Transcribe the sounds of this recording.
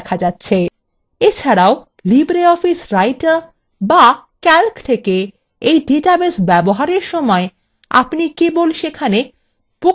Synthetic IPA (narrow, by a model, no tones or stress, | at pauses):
kʰad͡ʑatːɕʰe | et͡ɕʰaɾao | libɾeɔfisɾajʈaɾ | bakɛlkt̪ʰeke | ejɖiʈabesbɛboɦaɾeɾʃɔmɔe | a̰pnikebolʃekʰane | po